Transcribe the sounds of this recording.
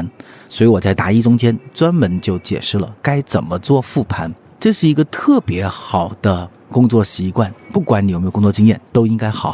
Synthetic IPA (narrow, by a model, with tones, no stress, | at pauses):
nswɔ˧˥i˧˥wɔ˨˩t͡sa˥˩ɪt̪a˧˥i˥ʈ͡ʂʊ˥ŋt͡ɕjɛ˥nt͡swa˥nmə˧˥nt͡ɕjo˥˩ʊt͡ɕjɛ̰˨˩ʂɻ̩˥˩lə̰˩ka˥ɪt͡sə˨˩nmə˦t͡swɔ˥˧fu˥˩pʰa˧˥n | ʈ͡ʂɤ˥˧ʂɻ̩˥˩i˧˥ɡə˧t̪ʰɤ˥˩pjɛ˧˥xɑ˨˩ʊd̪̥ə˦ | kʊ˥ŋt͡swɔ˥˩ɕi˧˥kwa˥˩npu˥˩kwa˧˥ni˧˥o˨˩e˧˥˩ʊ˥t͡swɔ˥˧t͡ɕi˥ŋjɛ˥˩nt̪o˥ʊi˥ŋka˥ɪxɑ˨˩˦